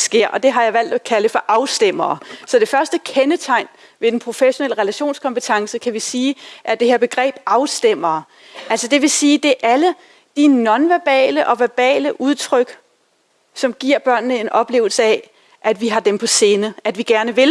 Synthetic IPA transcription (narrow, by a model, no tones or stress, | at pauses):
sɡ̥e̝ɐ̰ʔɒ̽d̥e̝ɦɑ̈jɑ̈ɪʋæl̰d̥ækʰæləfɒ̽ʔɑ̈ʊsd̥em̰ɐːsɒ̽d̥e̝fɶɐsd̥əkʰenət͡sʰɑ̈ɪ̰n | ʋe̝d̥enpʰʁo̝feɕo̝nel̰əʁɛlæɕo̝̰ːnskʰɒ̽mpət͡sʰɑ̈ŋsəkʰæʋisiːʔæɐd̥e̝he̝ɐb̥e̝ɡ̥ʁɛ̰ːb̥̚ɑ̈ʊsd̥em̰ɐː | ʔæl̰sɒd̥e̝ʋe̝siːd̥e̝ʔælə | d̥inɒ̽nʋæɐb̥ɛ̰ːləʔɒ̽ʋæɐb̥ɛ̰ːləʔuð̞ˠt͡sʰʁœɡ̥ | sɒ̽mɡ̥iɐ̰b̥ɶɐ̰nnəe̝nʔɒ̽b̥le̝ːʊl̩səɛ | ʔæd̥ʋiɦɑ̈d̥empʰɒ̽se̝ːnəæd̥ʋiɡ̥æɐnəʋe̝l